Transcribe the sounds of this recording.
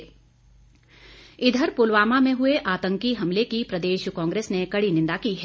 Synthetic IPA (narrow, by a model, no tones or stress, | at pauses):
ɪd̪ʱəɾpʊlʋaːmamẽɦʊeʔaːt̪ə̃ŋkiɦɐmlekipɾɐd̪eːʃkɔ̃ːŋɡɾeːsnekɐɽinɪ̃nd̪akiɦɛː